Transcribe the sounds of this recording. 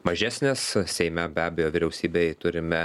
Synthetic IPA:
mɐʒʲæːsʲnʲeːssʲɛɪmʲɛbʲæːbʲɛjoːʋʲɪɾʲɛʊsʲiːbʲɛɪt̪ʊɾʲɪmʲɛ

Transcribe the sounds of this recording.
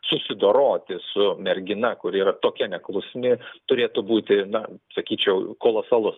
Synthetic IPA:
sʊsʲɪd̪oːɾoːt̪ʲɪsʊmʲɛɾʲɡʲɪnɐkʊɾiːɾɐt̪oːkʲɛnʲɛklˠʊsʲmʲɪt̪ʊɾʲeːt̪ʊbuːt̪ʲɪnɐsɐkʲiːt͡ʃʲɛʊkoːlˠoːsɐlˠʊs

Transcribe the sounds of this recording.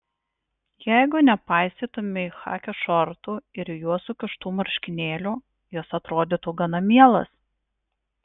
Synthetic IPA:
jæɪɡʊnʲɛpɑˑɪsʲt̪ʲiːt̪ʊmʲɪɪxɑ̰ːkʲoʃɔɾt̪uːɪɾjuɔsuːkʲɪʃt̪uːmɐɾʲʃʲkʲɪnʲeːlʲuː | josɐt̪ɾoːd̪ʲɪt̪uːɡɐnɐmʲiɛlˠɐ̰s

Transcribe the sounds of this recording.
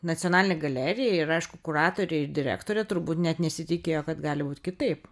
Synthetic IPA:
nɐt͡sʲionɑːlʲɪnʲeɡɐlʲæːɾʲɪjɛɪɾɐɪʃkʊkʊrɑːt̪oːɾʲeːɪrd̪ʲɪɾʲæ̰ːkt̪oːɾʲɛt̪ʊɾbuːt̪nʲɛt̪nʲɛsʲɪt̪ʲɪkʲejoːkɐt̪ɡɑːlʲɪbuːt̪ʲkʲɪt̪ɐɪp

